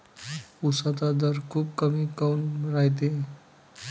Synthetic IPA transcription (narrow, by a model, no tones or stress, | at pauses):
usat̪ad̪əɾkʰuːb̚kəmikawnɾajt̪̬e